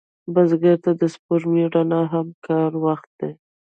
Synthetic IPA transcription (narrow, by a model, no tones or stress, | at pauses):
bazɡaɾt̪ad̪əspoɾmiɽanaɦamkɑɾwaxt̪̚d̪e